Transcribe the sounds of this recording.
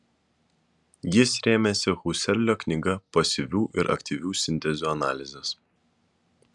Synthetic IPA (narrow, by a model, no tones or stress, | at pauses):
jɪsɾʲeːmʲesʲɪxusʲɛlʲlʲoːknʲɪɡɐpɐsʲɪʋʲuːʔɪɾʔɐ̰kʲt̪ʲiʋʲuːsʲɪnʲt̪ʲɛzʲuːɐnɑ̰ːlʲɪzʲɛs